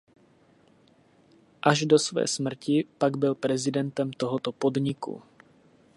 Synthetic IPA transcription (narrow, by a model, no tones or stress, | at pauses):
ʔaʒdo̞svɛ̰ːsmr̩cɪpaɡbɪlpɾɛzɪdɛnt̪ɛmt̪oɦot̪opo̞dɲɪkṵ